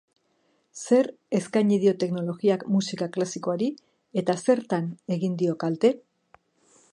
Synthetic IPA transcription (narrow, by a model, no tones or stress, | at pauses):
se̞ɾ | e̞skajɲiðio̞t̪e̞kno̞lo̞ɣiakmusikaklasiko̞aɾi | e̞t̪ase̞ɾt̪ane̞ɣind̪io̞kalt̪e̞